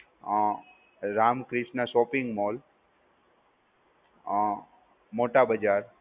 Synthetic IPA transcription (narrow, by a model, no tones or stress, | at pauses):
ɾaːmkɾɪʃnasoːpɪŋɡmoːl | moːʈabəd͡ʒaːɾ